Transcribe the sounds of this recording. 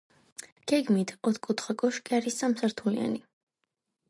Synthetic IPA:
ɡ̥ɛɡmit̪ʰɔt̪ʰkʼut̪ʰχakʼɔʃkʼiaɾisːamsaɾt̪ʰulḭa̰ni

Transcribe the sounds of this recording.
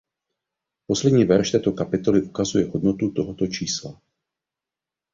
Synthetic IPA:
poslɛd̪ɲiːvɛɾʃt̪ɛːt̪okapɪt̪olɪʔukazujɛɦod̪not̪ut̪oɦot̪ot͡ʃiːsla

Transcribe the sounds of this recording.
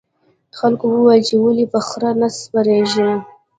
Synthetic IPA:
əxalkowəwajlt͡ʃewəlipəxɾanaspaɾeʒi

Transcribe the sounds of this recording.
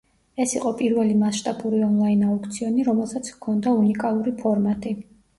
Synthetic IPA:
ɛsiqʼɔpʼiɾvɛlimasʃt̪ʼabuɾiɔnlˠainaukʰt̪sʰiɔniɾɔmɛlˠsat̪sʰkʰɔnd̪aunikʼalˠuɾipʰɔɾmat̪ʼi

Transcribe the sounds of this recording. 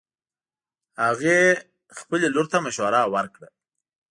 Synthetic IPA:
haɣe | xpəleloɾt̪amaʃwaɾawaɾkɽə

